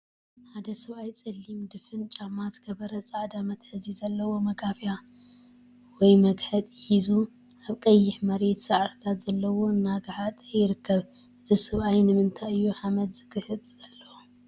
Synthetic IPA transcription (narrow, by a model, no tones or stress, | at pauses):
ħad̪ɐsɐβʔajt͡sʼɐlːimd̪ɨfɨnt͡ʃʼamːazɨɡɐβɐɾɐt͡sʼaʕd̪amɐt̪ħɨzizɐlːɐwo̞mɐɡafja | wɔjmɐɡħɐt̪ʼɪhizu | ʔaβkʼɐjːɪħmɐɾe̞t̪sɐʕɾt̪ʰat̪z̥ɐlːɐwo̞ɨnːaɡħat̪jɪɾɨkʰːɐβ | ʔɨzisɐβʔajnɨmɨnt̪ʰajɨjːuħamɐt̪z̥ɨ̥kʰɨhɨd̪ʼz̥ɐlːɐwo